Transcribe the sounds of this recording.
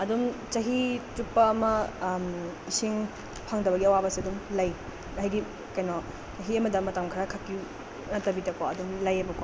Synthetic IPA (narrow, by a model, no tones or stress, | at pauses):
ɐdumt͡ʃɐɦitupːɐːmɐmisiŋ | pʰaŋdɐbɐɡiɐwabɐsiɐdumlɐj | ɦajɡi | kɐjnɔ | t͡ʃɐɦiɐmɐdɐmɐtamkʰɐɾakʰakːi | nɐtɐbidɐkɔɐdumlɐjɐbɐkɔ